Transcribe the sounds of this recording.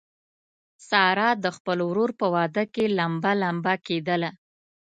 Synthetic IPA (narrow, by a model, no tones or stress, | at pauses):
sɑɾɑd̪əxpəlowɾoɾpəwɑd̪əkelambalambaked̪əla